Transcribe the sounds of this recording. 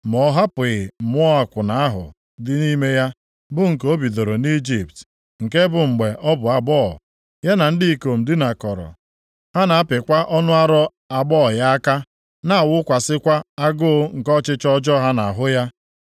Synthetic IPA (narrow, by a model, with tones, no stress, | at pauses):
mɔ˨˦ɦa˦pɪ˨ɪ˨m̩˨mʊ˦ɔ˦a˨kʷʊ˨na˨a˦ɦʊ̰˨ | dɪ˦ni˦me˦ja˦ | bʊ˦ŋ̩˨ko˦bi˨do˨ɾo˨ni˦d͡ʒi˨p̚t | ŋ̩˨ke˦bʊ˨ŋ͡m̩˨ɡ͡be˨ʔɔ˦bʊ˨a˨ɡ͡bɔː˦˨ | ja˦na˨n̩˦di˦ko˨m̩˨dɪ˦na˨kɔ˨ɾɔ̰˨ | ha˦na˨a˦pɪ˨kʷa˦ʔɔ˦nʊ˦a˦ɾɔ˦ | a˨ɡ͡bɔ˦˨ja˦a˦ka˦ | na˦a˨wʊ˦kʷa˨sɪ˦kʷa˦a˦ɡʊ˦ŋ̩˨kɔ˦t͡ʃɪ˦t͡ʃɔ˦d͡ʒɔ˦ɦa˦na˨a˨ɦʊ˦ja˦